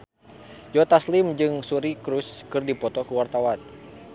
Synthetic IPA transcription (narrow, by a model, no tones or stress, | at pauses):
d͡ʒɔt̪aslimd͡ʒɨŋsuɾikɾuskɨrdipɔt̪ɔkuwart̪awan